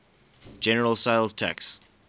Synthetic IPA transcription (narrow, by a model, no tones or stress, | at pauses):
d͡ʒ̥ɛnəɹəlˠsaɪlˠz̥tʰæ̰ks